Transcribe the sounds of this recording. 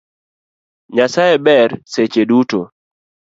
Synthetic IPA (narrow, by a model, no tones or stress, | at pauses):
ɲasajebɛɾset͡ʃeduto